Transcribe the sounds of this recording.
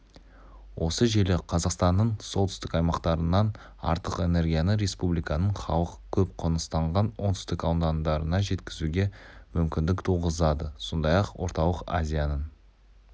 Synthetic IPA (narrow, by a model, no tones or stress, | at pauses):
wʔo̞səʒe̞lɪqʰɑzɑqst̪ɑnːəɴso̞lˠt̪ʰʏ̥st̪ɪkɑjmɑqt̪ɑɾənːɑn | ɑ̰ɾt̪əqe̞ne̞ɾɡʲijanəɾe̞spublijkɑnəɴχɑwˠəqkʲʰɵp̚qʰonəst̪ɑɴʁɑnwo̞nt̪ʏ̥st̪ɪkɑwd̪ɑnd̪ɑɾənɑʒe̞t̪kʲɪzuɡʲe̞mʏmkʲɪnd̪ɪkt̪ʰuʁəzɑd̪əso̞nd̪ɑjɑqwo̞̰ɾt̪ɑw̪ˠəqa̰zʲijanən